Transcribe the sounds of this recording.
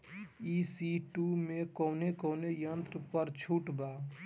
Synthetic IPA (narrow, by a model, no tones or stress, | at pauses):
isiʈumekɔʊnekoʊnejənt̪ɾəpəɾt͡ʃʰuʈbaː